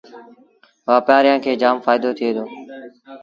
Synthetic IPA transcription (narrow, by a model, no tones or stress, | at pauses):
ʋaːpjaːɾɪjãːkʰeːd͡ʒaːmfaːɪd̪oːt̪ʰɪeːd̪oː